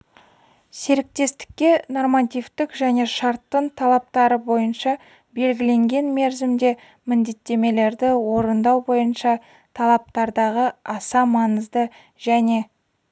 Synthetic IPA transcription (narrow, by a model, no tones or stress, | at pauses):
se̞ɾɪk̚t̪e̞st̪ɪ̥kʲːe̞no̞rmɑt̪ʲijft̪ɪkʒæne̞ʃɑɾt̪ːəɴt̪ʰɑlˠɑp̚t̪ɑɾəbo̞jənʃɑ | be̞lɡʲɪle̞ŋɡʲe̞nme̞ɾzɪmd̪e̞ | mɪnd̪e̞t̪ːe̞me̞le̞ɾd̪ɪwo̞ɾənd̪ɑwbo̞jənʃɑ | t̪ʰɑlˠɑp̚t̪ɑɾd̪ɑʁəɑsɑmɑnəzd̪ə | ʒ̥æne̞